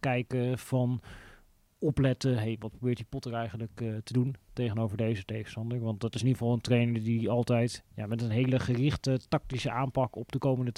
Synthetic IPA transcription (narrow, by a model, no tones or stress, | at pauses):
kɛjkəv̥ɑn | ɔplɛtəɦejʋɑt̚prowbɪːɹtdipɔtəɹɛjχənləktəduntejχənowvəɹdejzətejχə̥stɑndəɹʋɑndɑtɪsɪniʁəvɑlˠəntrejnəɹdiɑlˠtɛjtja̰ːmɛtənɦejləχərɪχtətɑk̚tisəʔaːmpɑkɔpdəkowməndə